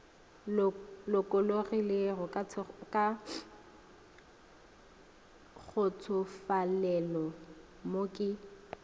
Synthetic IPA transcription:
lʊkʼʊlorilerɔkakʼa | k͡xʰʊt͡sʰʊfalɛlɔ | mokʼɪ

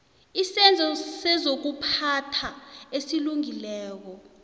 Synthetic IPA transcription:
isɛnd͡zʱɔsɛzok̬upʰatʰaesiluŋilɛːk̬ɔ

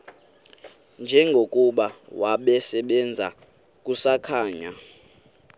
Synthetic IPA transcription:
nd͡ʒʱɛŋɡʱokʼuɓawʔaɓɛsɛɓɛnd͡zʱa | k̬ʼusakʰaːɲa

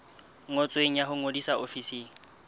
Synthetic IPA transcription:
ŋot͡sʼweŋ̩jaɦʊŋodisaofisiːŋ̩

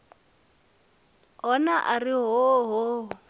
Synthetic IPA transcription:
ɦɔnaʔariɦɔɦo

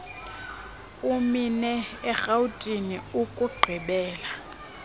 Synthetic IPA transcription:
uminɛɛxautʼiniukʼuɡ͡ǀʱiɓɛːla

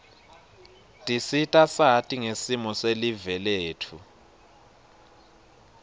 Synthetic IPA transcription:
tʼisitʼasatʼiŋesimɔselivɛleːtʰu

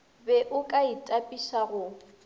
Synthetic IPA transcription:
bɛʔʊkʼaitʼapʼiʃaɣʊ

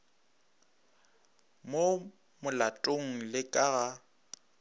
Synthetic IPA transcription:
mo | mʊlatʼoŋ̩lɪkʼaɣa

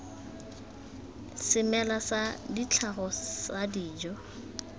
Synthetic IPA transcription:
sɪmɛlasadit͡ɬʰaɣɔsadiːd͡ʒɔ

